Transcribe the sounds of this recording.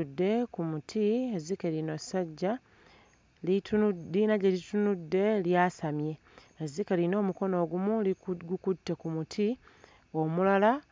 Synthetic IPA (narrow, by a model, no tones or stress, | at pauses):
dːe̞kumutʰiezikeɾino̞saɟːa | litlinaɟelitunudːe̞ljasamje̞ | ezikeɾino̞ːmuko̞no̞ːɡumuɡukutːe̞kumutʰi | o̞mulala